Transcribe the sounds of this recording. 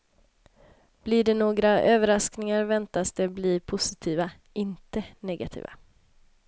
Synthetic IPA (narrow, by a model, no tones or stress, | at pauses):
b̥lɪɖɛnoːɡɾaøːvəɾasknɪŋaɾvɛnt̪asd̪ɛbliːpʰʊsɪt̪ʰiːva | ɪnt̪ənɛɡat̪ʰḭːva̰